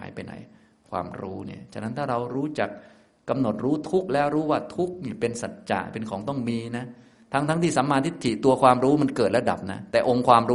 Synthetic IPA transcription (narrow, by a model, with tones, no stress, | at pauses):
a̰ː˩˦jpa˧jna̰˨˩˦j | kʰwa̰ː˧mɾṵː˦˥nḭ˥˩ɐt͡ɕʰa˨˧˩k̚na˦˥nt̪ʰaː˥˩ɾa˧wɾuː˦˥t͡ɕa˨˩k̚ː | a˧mno˨˩t̪̚ɾuː˦˥t̪ʰu˦˥k̚lɛː˦˥wɾuː˦˥waː˥˩t̪ʰu˦˥k̚niː˥˩pe˧nsa˨˩t̪̚t͡ɕa̰ː˨˩pe˧nkʰɔː˩˦ŋt̪ɔ˥˩ŋmiː˧na˦˥ | t̪ʰa˦˥ŋt̪ʰa˦˥ŋt̪ʰiː˥˩sa˩˦maː˧nt̪ʰi˦˥t̪ʰːi˨˩t̪u˧ɐkʰwaː˧mɾuː˦˥ma˧nkɤː˨˩t̪̚lɛ˦˥da̰˨˩p̚na̰˦˥t̪ɛː˨˩ʔo˧ŋkʰwaː˧mɾuː˦˥